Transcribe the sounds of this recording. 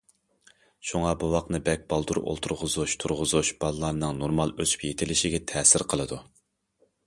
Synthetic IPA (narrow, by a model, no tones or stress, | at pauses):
ʃuŋɑbuwɑqnɨbɛk̚ʲbɑlˠd̪uɾʔo̰lˠt̪ʰuɾʁʊzuʃt̪ʰuɾʁʊzuʃb̥ɑlˠlːˠɑɾnɨŋnoɾmɑlˠøzy̥pjet̪ʰɪlɪʃɪɡʲɛt̪ʰɛːsɪɾqʰəlˠɨd̪u